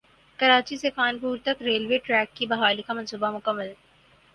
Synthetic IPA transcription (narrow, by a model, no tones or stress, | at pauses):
kɐɾaːt͡ʃiseːfaːnpuːɾt̪ɐkɾeːlʋeːʈɾɛːkːibɐɦaːlikamɐ̃nsuːbamʊkəmːəl